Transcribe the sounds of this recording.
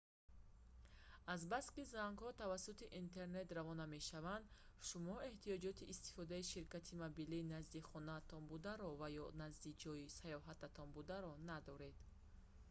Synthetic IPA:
azbaskizaŋɡhɔt̪avasut̪iʔint̪ʰe̞ɾne̞t̪ravɔname̞ʃavand̪ | ʃumɔe̞ht̪ijɔd͡ʒɔt̪ʰiʔːst̪i̥fɔd̪aiʃiɾkat̪ʰimabiliːnazd̪iχɔnaːt̪ʰɔnbud̪aɾɔvajɔnazd̪id͡ʒɔisajɔɦat̪ʰat̪ʰɔnbud̪aɾɔnad̪ɔɾe̞d̪̥

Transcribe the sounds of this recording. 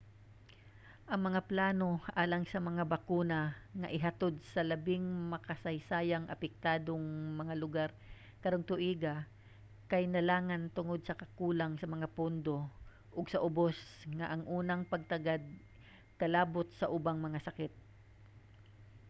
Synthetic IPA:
ʔɐŋmɐŋaplaːno̞ʔaːlɐŋsɐmɐŋabɐkuːnaŋɐʔɪɦɐt̪od̪̚sɐlɐbɪŋmɐkɐsɐjsaːjɐŋʔɐ̰pɛk̚t̪aːd̪oŋmɐŋalʊɡaɾ | kɐɾoŋt̪ʊʔiːɡa | kɐjnɐlaːŋant̪ʊŋod̪̚sɐkɐkuːlaŋsɐmɐŋapond̪o̞ | ʔʊɡsɐʔʊbosŋɐʔɐŋʔuːnɐŋpɐɡ̚t̪ɐɡad̪̚ | kɐlaːbot̪̚sɐʔʊbaŋmɐŋasɐkɪt̪̚

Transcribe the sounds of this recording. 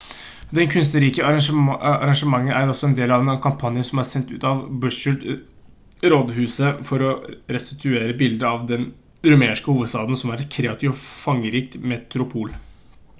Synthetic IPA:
d̪ɛnkʰʉnst̪əɾiːkəɑɾɑʂəɑ̰ɾɑŋʂəmɑŋːənæɾɔsɔɛnd̪eːlɑʋɛnkʰɑmpʰɑnjəsɔmæɾsɛnt̪ʉ̰ːt̪ɑʋbʉʂəɖ | ɾɔd̪ɦʉːsəfɔɾɔɾɛst̪ɪt̪ʰʉeːɾəbɪld̪əɾɑʋd̪ɛn | ɾʉmeːʂkəhuːʋəd̪st̪ɑːd̪ən̩sɔmæɾɛt̪kʰɾeːɑt̪ʰɪʋfɑŋːəɾiːk̚t̪mɛt̪ɾʊpʰuːl

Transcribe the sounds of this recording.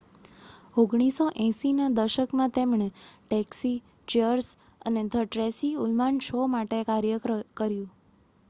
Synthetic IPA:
oɡɳ̃isoʔɛ̃sinad̪əʃəkmãt̪emɳ̃eʈɛksi | t͡ʃəɾs | ə̰ned̪ʱəʈɾesiulmanʃomaʈekaɾjəkəɾjũ

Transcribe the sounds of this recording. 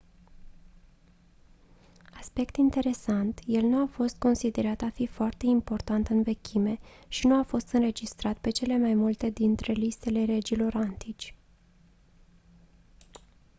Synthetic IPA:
aspe̞kt̪int̪e̞ɾe̞sant̪je̞lnuafo̞st̪̚ko̞nsid̪e̞ɾat̪afifoart̪e̞impo̞rt̪ant̪ɨnve̞kʲʰime̞ʃinuafo̞st̪ɨnɾe̞d͡ʒist̪ɾat̪pe̞t͡ʃe̞le̞majmult̪e̞d̪int̪ɾe̞list̪e̞le̞ɾe̞d͡ʒilo̞ɾant̪it͡ʃʲ

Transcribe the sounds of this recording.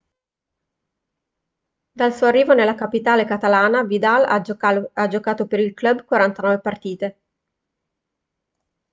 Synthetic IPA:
d̪alsuːoarːiːvonelːakapit̪aːlekat̪alaːnavid̪alaad͡ʒokaːt̪opeɾilkløbkwaɾant̪anɔːvepart̪iːt̪e

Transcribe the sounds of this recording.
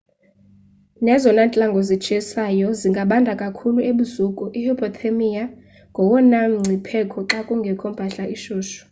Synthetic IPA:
nɛzɔnant͡ɬʼaŋɡʱɔzit͡ʃʰʼɛsajɔziŋɡʱaɓandʱakʼakʰulueɓuzukʼuʔihipʰʼɔt̪ʰemija | ŋɡʱɔwɔnaŋ͡ǀʱipʰɛkʰɔǁakʼuŋɡʱɛkʰɔmbʱaɬaʔiʃoːʃɔ̥

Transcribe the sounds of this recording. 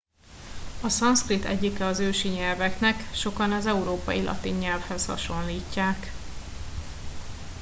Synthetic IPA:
ɒsɒnskrit̪ɛ̰ɟːikɛɒzøːʃiɲɛlvɛknɛkʃo̞kɒnɒzɛuɾoːpɒ̰jilʔɒ̰t̪iɲːɛlfhɛshɒ̰ʃo̞nliːcːaːk

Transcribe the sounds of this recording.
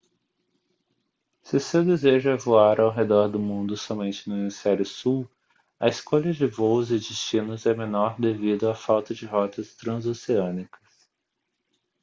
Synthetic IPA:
sɪsewd̪ezeʒɐvoaɾawɦed̪ɔɾd̪ʊmũnd̪ʊsɔmẽnt͡ʃɪnʊnĩsɛɾʊsuw | ɐɪskoʎɐd͡ʒɪvozɪd͡ʒɪst͡ʃĩnʊzɛmẽnɔɾd̪evid̪ʊafawt̪ɐd͡ʒɪɦɔt̪ɐst̪ɾɐ̃zoseɐ̃nikɐs

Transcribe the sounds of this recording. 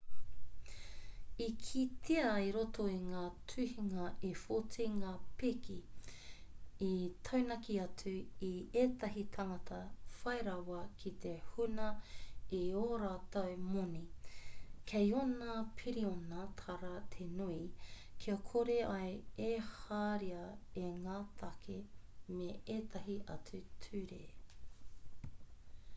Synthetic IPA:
ikʰit̪ʰeɐiɾotoiŋaːtʰʉhiŋɐʔefot͡siŋaːpikʰi | it̪ʰɐwnɐkiɐtʉiet̪ɐɦitʰɐŋɐtʰɐfɐjɾɐwɐkʰit̪ʰehunɐioɾaːtowmoni | kʰejonapʰiɾionɐt̪ʰɐɾɐt̪ʰenuikʰiɐkʰoɾeɐjehaːɾiɐeŋaːt̪ʰɐkʰemeeːt̪ʰɐɦiʔɐt͡sʉtʰʉːɾe

